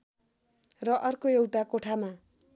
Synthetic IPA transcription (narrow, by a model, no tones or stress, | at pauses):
rʌʔʌrkoewʈakoʈʰama